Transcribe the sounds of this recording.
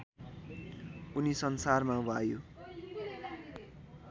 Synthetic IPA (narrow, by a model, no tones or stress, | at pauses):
unisʌnsarmawajo